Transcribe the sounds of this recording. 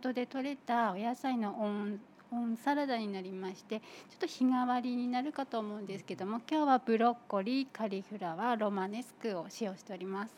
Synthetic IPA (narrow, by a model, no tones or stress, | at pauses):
t̪o̞d̪e̞t̪o̞ɾe̞t̪aojasaino̞ʔo | õɰ̃saɾad̪aɲ̟inaɾʲimaɕi̥t̪e̞t͡ɕo̥t̪ːo̞çiŋaβaɾʲiɲ̟inaɾɯ̟kat̪o̞ːmo̞ɯ̟̃nd̪e̞sɨ̥ke̞d̪o̞mo̞kʲo̞ːβab̥ɯ̟ɾo̞kːo̞ɾʲikaɾʲihɯ̟ɾaβaɾo̞mane̞sɨ̥kɯ̟o̞ɕijo̞ːɕi̥t̪e̞o̞ɾʲimasɨ̥